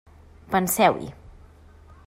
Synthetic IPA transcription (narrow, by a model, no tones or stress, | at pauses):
pənsɛwḭ